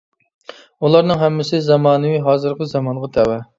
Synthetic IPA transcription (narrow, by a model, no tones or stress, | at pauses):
ulˠɑɾnɨŋɦɛmːɪsɪzɑmɑːnɨwiɦɑːzɨɾqʰəzɑmɑnʁɑt̪ʰɛwɛ